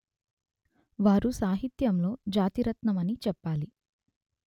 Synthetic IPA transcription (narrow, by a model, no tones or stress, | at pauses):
ʋaːɾusaːɦit̪jɐmlo̞ːd͡ʒaːt̪iɾɐt̪nɐmɐnit͡ʃɛpːaːli